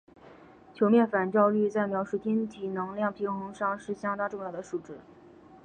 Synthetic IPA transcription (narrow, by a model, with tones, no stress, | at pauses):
t͡ɕʰjo˧˥ʊmjɛ˥˩nfa˨˩nt͡ɕjɑ˥˧ʊly˥˧t͡sa˥˩ɪmjɑ˧˥ʊʂu˥˩t͡ɕ̪ʰi˥nt̪ʰi˨˩nɤ˧˥ŋljɑ˥˩ŋpʰi˧˥ŋxʊ˧˥ŋʂɑ˥˧ŋʂɻ̩˥˩ɕjɑ˥ŋt̪ɑ˥ʈ͡ʂʊ˥˧ŋjʊd̪ə˩ʂu˨˩ʈ͡ʂɻ̩˥˩